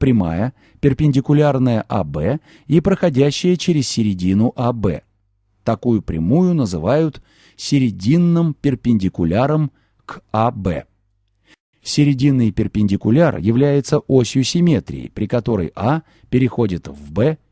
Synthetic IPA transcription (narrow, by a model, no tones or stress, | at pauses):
pɾʲɪma̰jə | pʲɪrpʲɪnʲdʲɪkʊlʲarnəjəʔa̰bɛ | ipɾəxɐdʲæɕːɪjət͡ɕɪɾʲɪsʲsʲɪɾʲɪdʲinʊʔabɛ̰ | t̪ɐkujʊpɾʲɪ̰mujʊn̪əzɨvajʊt̪ | sʲɪɾʲɪdʲinːɨmpʲɪrpʲɪnʲdʲɪkʊlʲaɾəm | kabɛ̰ | sʲɪɾʲɪdʲinːɨjpʲɪrpʲɪnʲdʲɪkʊlʲarjɪvlʲæjɪt̪səʔosʲɪjʊsʲɪmʲe̞t̪ɾʲɪ̰ɪ̰pɾʲɪkɐt̪o̞ɾə̰jʔa | pʲɪɾʲɪxo̞dʲɪt̪vbɛ